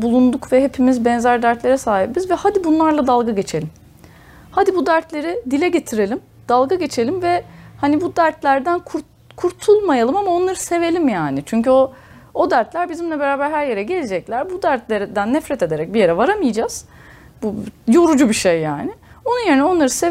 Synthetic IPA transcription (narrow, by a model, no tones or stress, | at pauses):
bulˠund̪ukvɛɦepʰimizbɛnzæɾd̪æɾt̪lʲe̞ɾɛsaːɦibbizvɛhad̪ibunlˠaɾlˠad̪alˠɡaɟe̞t͡ʃʰe̞lʲim | had̪ibud̪æɾt̪lʲe̞ɾid̪ilʲɛɟe̞t̪ʰiɾe̞lʲim | d̪̥alˠɡaɟe̞t͡ʃʰe̞lʲimvɛhanibud̪æɾt̪lʲæɾd̪ænkʰuɾ | kʰuɾt̪ʰulˠmajalˠɯmamao̞nlˠaɾɯse̞ve̞lʲimjaːnɪt͡ʃʰyɲcyo | od̪æɾt̪lʲæɾbizimlʲɛbe̞ɾaːbæɾɦæɾje̞ɾɛɟe̞lʲed͡ʒɛclʲæɾbud̪æɾt̪lʲeɾd̪ænːɛfɾɛt̪e̞d̪e̞ɾɛc̚bije̞ɾɛvaɾamɯjɯd͡ʒaːz̥ | bujo̞ɾud͡ʒubiʃejːa̰ːnɪ | o̞nunjeinɛo̞nlˠaɾɯse